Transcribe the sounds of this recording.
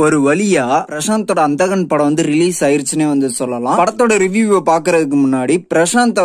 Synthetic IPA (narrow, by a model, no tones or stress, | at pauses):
ɔɾɯʋɐɭɪjaːpɪɾɐʂaːnt̪ːoːɽɐːnd̪ɐɣɐnpɐɽɐʋɐnd̪ɯɾɪliːsaːjɪɾt͡ʃːɯneːʋɐnd̪ɯsɔlːɐlãːpɐɽɐt̪ːoːɽɐɾɪʋjuːʋɐpaːɾkɯɾɐðɯk̬ːɯmʊnːaːɽipɪɾɐʂaːnt̪ɐ